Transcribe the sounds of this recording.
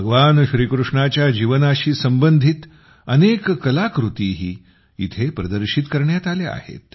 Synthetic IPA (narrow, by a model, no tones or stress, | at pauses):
bʱəɡəʋanɕɾiːkɾuʂɳat͡ɕjad͡ʑiʋənaɕiːsəmbənd̪ʱit̪ | ənekkəlakɾut̪iɦiː | ḭt̪ʰepɾəd̪əɾɕit̪kəɾɳjat̪alea̰hḛt̪̚